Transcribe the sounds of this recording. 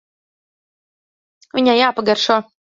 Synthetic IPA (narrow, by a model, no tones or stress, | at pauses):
vʲiɲʲajaːpaɡaɾʃuɔ